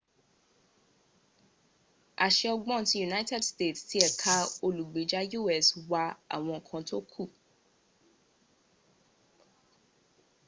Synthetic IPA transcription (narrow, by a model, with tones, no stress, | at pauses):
a̰˨ʃɛ˧ɔ˧ɡ͡bɔ̃˦˨˦tĩ˦ju˨na˦jtɛ˦˨dste˦˨tsti˦ɛ˨kʰa˦o˧lu˨ɡ͡be˨˦d͡ʒa˦ju˦˨ɛ˦˨swa˧a̰˨w̃ɔ̃˧˨kʰã˧to˦kʰu˦˨